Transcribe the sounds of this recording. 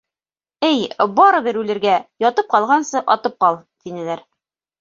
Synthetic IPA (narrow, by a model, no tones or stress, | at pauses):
ɘjbɑɾɤ̆βɘɾʉlɘ̆ɾɡæjɒt̪ɤp̚qɑlˠʁɑnsɤʔɒt̪ɤp̚qɑlˠt̪inɘ̆læɾ